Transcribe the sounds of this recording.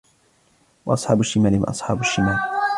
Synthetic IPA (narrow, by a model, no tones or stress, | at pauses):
wɑʔɑsˤħɑ̰ːbʊʃɪmaːlɪwa̰ʔɑ̰sˤħɑːbʊʃːɪmaːl